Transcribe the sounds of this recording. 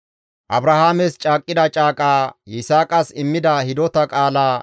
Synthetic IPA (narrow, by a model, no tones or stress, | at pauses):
ʔɐbɾɐhaːmɛst͡ʃʼaːkʼːɪd̪ɐt͡ʃʼaːkʼaːɪsaːkʼɐsɪmːɪd̪ɐhɪd̪ɔt̪ɐkʼaːlaː